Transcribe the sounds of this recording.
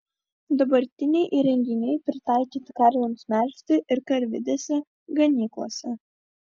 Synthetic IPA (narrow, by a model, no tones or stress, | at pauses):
d̪obɐɾʲt̪ʲɪnʲɛjʔiɾʲɛŋʲɡʲɪnʲɛjpʲɾʲɪt̪ɑjkʲɪt̪ʲkɑɾʲlʲɛmsʲmʲæɾʲst̪ɨʔɪɾkɐɾʲʋʲɪ̰d̪ʲɛsʲɛ | ɡɐnʲiklˠo̰sʲɛ